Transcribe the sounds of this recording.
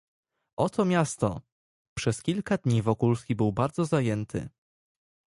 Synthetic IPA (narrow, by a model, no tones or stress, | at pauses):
ʔɔt̪ɔmʲjast̪ɔ̰ | pʂɛskʲilkad̪ɲivɔkulskʲibɘwbaɾd̪zɔzajɛnt̪ʰɘ̰